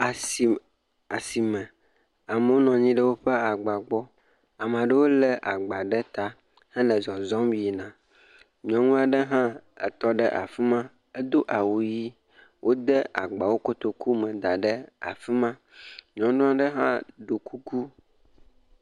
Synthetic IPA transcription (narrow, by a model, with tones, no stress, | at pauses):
a˨si˨ | a˨si˨mɛ̃˨ | a˨mə˨wo˦nɔ̃˨ɲĩ˦ɖə˦wo˦ɸe˦a˨ɡ͡ba˨ɡ͡bɔ˦ | a˨m˨ã˨ɖə˦wo˦lɛ˦ʔa˨ɡ͡ba˨ɖɛ˦t̪a˦ | hɛ̃˦lə˨zɔ˨zɔ˦mji˨nã˨ | ɲɔ̃˦ŋũ˦a˨ɖə˦ɦã˦ɛ̰˨t̪ɔ˦ɖə̰˦ʔa̰˨fi˦mã˦ | ə˦d̪o˦ʔa˨wo˨ji˦ | wʔo˦d̪ə˦a̰˨ɡ͡ba˨wo˦ko˦t̪o˨ku˦mɛ̃˨d̪a˨ɖə˦a̰˨fi˦mã˦ | ɲɔ̃˨nũ˦a˦ɖə˦ɦã̰˦ɖo˨ku˦ku˦